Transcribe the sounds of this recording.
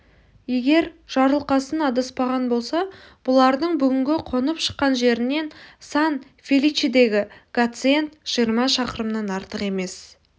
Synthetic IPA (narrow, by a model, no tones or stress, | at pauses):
je̞ɡʲe̞ɾʒ̥ɑɾəlˠqɑsənɑd̪əspɑʁɑnbo̞lˠsɑ | b̥ʊlˠɑɾd̪əɴbʏɡʲɪŋɡʲɪqʰo̞nəpʃə̥qːɑnʒe̞ɾɪne̞nsɑn | fʲelit͡ʃid̪e̞ɡʲɪɡ̥at̪sɨje̞nt̪ʒ̥ijəɾmɑʃɑqəɾəmnɑnɑɾt̪əqe̞me̞s